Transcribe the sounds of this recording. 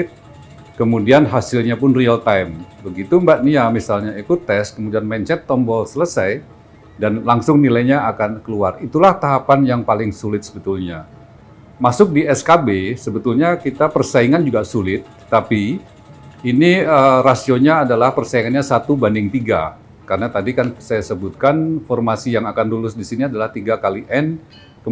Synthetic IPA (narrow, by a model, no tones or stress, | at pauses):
t̪̚ | kəmudianɦasɪlɲapʊnrialt̪ajmbəɡit̪umbaʔ̪̚niamisalɲaikʊt̪ɛs̚kəmudianmɛnt͡ʃɛt̪ːɔmbɔlsələsaj | danlaŋsʊŋnilajɲaakankəluarit̪ulaht̪aɦapanjaŋpalɪŋsulɪt̪̚sə̥bət̪ʊlɲa | masʊk̚diɛskabesəbət̪ʊlɲakit̪apərsaiŋand͡ʒuɡasulɪt̪̚ːapi | iniərasioɲaːdalahpərsaiŋanɲasat̪ubandɪŋt̪iɡa̰ | karənat̪adikansajasəbʊt̪̚kanfɔrmasijaŋakanlulʊsdisiniadalaht̪iɡakaliʔɛn | kə